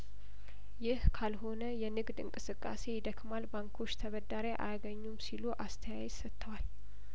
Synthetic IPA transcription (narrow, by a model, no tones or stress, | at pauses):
jɪhkʰalho̞nəjɛnɨɡd̪ɨ̰ŋkʼɨsɨkʼːa̰se̞jɪd̪əkmalbaŋkʰo̞t͡ʃːt̪ʰəβəd̪aɾeʔa̰jaɡəɲːumsiluʔast̪ʰəjajɛzsət̪ʰːəwal